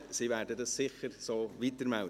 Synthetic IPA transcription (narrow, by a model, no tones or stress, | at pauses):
siʋæːɾdədɑssɪχəɾsoːʋitəɾmɛl